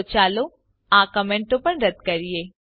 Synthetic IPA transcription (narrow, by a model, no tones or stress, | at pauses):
t͡ʃaːlo | ãːkəmẽːɳʈõpɐɾɾɐd̪kɐɾieː